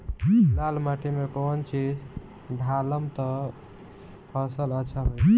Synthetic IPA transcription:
lalmaʈʰimekont͡ʃid͡ʒ | ɖʱaləmt̪ə | pʰəsələtːt͡ʃʰaɦoj

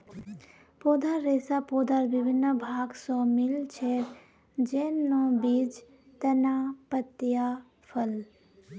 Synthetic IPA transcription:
poːd̪ʱaɾːeːsapoːd̪aɾʋɪbʱɪnːəbʱaːɡsɔ̃mɪlt͡ʃʰeːɾ | d͡ʒeːnɔ̃bid͡ʒ | t̪ɐnaːpət̪ja | fʰəl

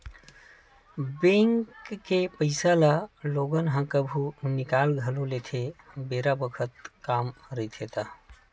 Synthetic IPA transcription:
bẽŋkːepəɪsalaloɡənɦə̃kəbʱunikalɡʱəlolet̪ʰebeɾabəkʰət̪̚kamɾəit̪ʰet̪a

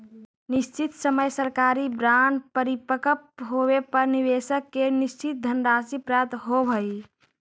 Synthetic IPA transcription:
nist͡ʃit̪səməjsəɾkaɾibɾanpəɾipəkəpɦowepəɾniʋesəkːenist͡ʃit̪̚d̪ʱənɾasipɾəət̪ɦobʱəi

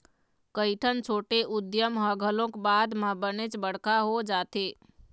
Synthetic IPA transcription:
kəɪʈʰənt͡ʃʰoːʈeʔʊd̪jəmɦəɡʱəlõkbad̪mə̃bənet͡ʃbəɽ̤kaɦod͡ʒaːt̪e

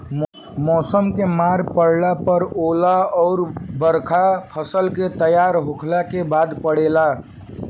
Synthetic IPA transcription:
m | mɔsəmkemaɾpəɽlapəɾoːlaɔːɾbəɾkʰapʰəsəlket̪əjaɾɦokʰlakebaːd̪pəɽela

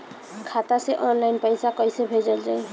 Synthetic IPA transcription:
kʰat̪aseʔɔnlajnpɔjsakɔjsebʱed͡ʒɔld͡ʒaj

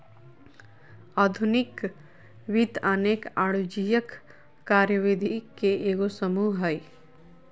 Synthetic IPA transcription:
aːd̪ʱʊnɪk | ʋɪd̪aneːkaːɽud͡ʒijəkː | aːɾjəʋɪd̪ʱikeʔeːɡosəmuɦɦaːi

